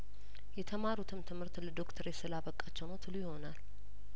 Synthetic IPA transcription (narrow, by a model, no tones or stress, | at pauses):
jɛt̪ʰəmaɾut̪ʰɨmt̪ʰɨmhɨɾt̪ləd̪o̞kt̪ʰəɾjɛsɨlaβəkʼːat͡ʃːɛwnot̪ʰɨlujɪho̞nal